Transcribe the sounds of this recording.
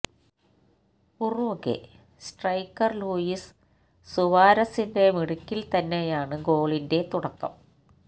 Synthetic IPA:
urukːḛ | sʈrɐjkːɐrluːjisː | uʋaːɾɐsinde̞miɽukʲːilt̪ɐnːejaːɳɨɡo̞ːɭinde̞t̪uɽɐkːɐ̰m

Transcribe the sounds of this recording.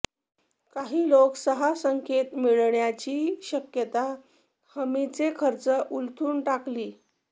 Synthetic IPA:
kaɦiːloksəɦasəŋket̪miɭɳjat͡ɕiːɕəkjət̪a | həmit͡sekʰəɾt͡səʔult̪ʰuːnʈakliː

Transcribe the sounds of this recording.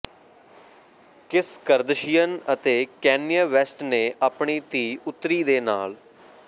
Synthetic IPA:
kɪskəɾd̪ʃɪjənət̪eːkɛːnijəʋɛsʈneːʔaːpɳiːt̪iːʊt̪ɾiːd̪eːnaːl

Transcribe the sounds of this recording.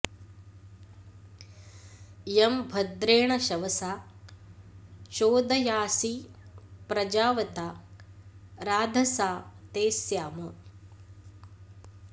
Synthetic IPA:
jembʱɐd̪ɾeːɳɐʃɐʋɐsaː | ʃoːd̪ɐjaːsi | pɾɐd͡ʒaːʋɐt̪a | ɾaːd̪ʱɐsaːt̪eːsjaːmu

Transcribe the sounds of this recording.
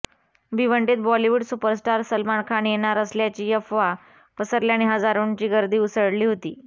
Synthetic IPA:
biʋəɳʈet̪̚bɔliʋuɽsupəɾsʈaɾsəlmaɳkʰaɳjenaɾəsljat͡ɕiːjəfʋa | pəsəɾljañiɦəd͡zaɾuɳt͡ɕiːɡəɾd̪iːusəɽliːɦot̪ḭː

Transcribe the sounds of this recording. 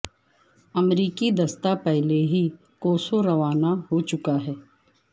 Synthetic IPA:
ɐmɾiːkid̪ɐst̪apɛɦleɦi | koːsoɾɐʋaːnaɦot͡ʃʊkaɦɛː

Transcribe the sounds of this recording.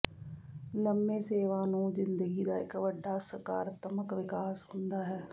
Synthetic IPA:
ləmːeːseːʋaːnũːzɪnd̪əɡiːd̪aːɪkʋəɖːaːsəɾka̰ːɾət̪əməkʋɪkaːshʊnd̪aːɦɛː

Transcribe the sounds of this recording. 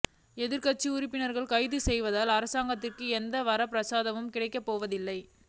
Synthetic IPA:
ɛðɪɾkɐt͡ʃːiʊɾɪpːɪnɐɾɣɐɭkɐɪðɯsɛjʋɐðaːlɐɾɐsaːŋɡɐt̪̬ːɪrkɯɛnd̪ɐʋɐɾɐpɪɾɐsaːðɐʋɯmkɪɽɐɪkːɐpːoːʋɐðɪlːɐɪ

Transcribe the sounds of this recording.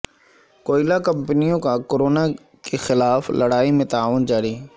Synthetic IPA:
koːɪlakɐ̃mpənijõkakoɾoːna | kexɪlaːflʔɐɽaːimẽt̪aːʋʊnd͡ʑaːɽiː

